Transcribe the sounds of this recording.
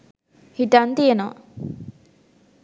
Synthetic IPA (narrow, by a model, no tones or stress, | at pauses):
hiʈɐnt̪ijenoː